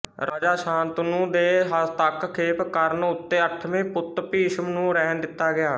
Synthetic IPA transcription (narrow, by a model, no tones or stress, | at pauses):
ɾəd͡ʒaːʃãːnt̪nũːd̪eːɦət̪əkkʰeːpkəɾnʊt̪ːeːəʈʰmẽːpʊt̪piːʃəmnũːɾɛɦnd̪ɪt̪ːaːɡɪjaː